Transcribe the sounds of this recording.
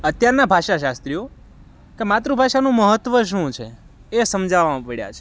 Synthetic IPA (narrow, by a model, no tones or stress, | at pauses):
ət̪jaɾnabʱaʃaʃast̪ɾijo | kemat̪ɾubʱaʃanũməɦət̪ʋəʃ̬ũt͡ʃʰe | esəmd͡ʒʱaʋamãpəɽja̰t͡ʃʰe